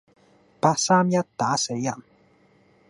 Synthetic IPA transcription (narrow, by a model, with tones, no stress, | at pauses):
paː˧t̚saː˥mjɐ˥t̚t̪aː˨˥se˨˥jjɐ˨˩n